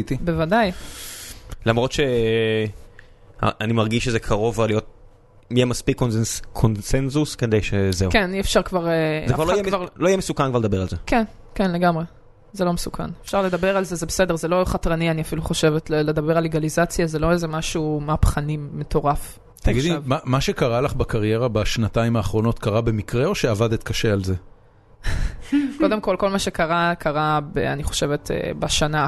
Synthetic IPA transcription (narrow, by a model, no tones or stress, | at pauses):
t̪ibe̞vadaj | lamʁo̞t̪ʃe | a̰animaʁɡiʃezekʰaʁo̞valijo̞t̪̚ | mijeɛmaspikːonseskʰonsenzusked̪ejʃezeukeniefʃaʁkvaʁezekvaʁlojemvaʁloijɛmesukankvaʁled̪abe̞alzeken | kenleɡamʁe | zelo̞mesukʰa̰nefʃaʁle̞d̪abe̞ʁalzezebese̞de̞ʁze̞lo̞χatʁanianiafiluχo̞ʃevetlled̪abeʁalːeɡalizat͡sjazelo̞ezemaʃumapχanimːe̞t̪o̞ʁaf | t̪aɡidimamaʃekaʁalaχbakaʁje̞ʁabaʃnataimaːχʁo̞no̞t̪kaʁabe̞mikʁeo̞ʃeavad̪et̪kaʃealze | ko̞d̪emko̞lko̞lmaʃekaʁakʰaʁabḛaniχo̞̥ʃe̞vet̪ḛbaʃana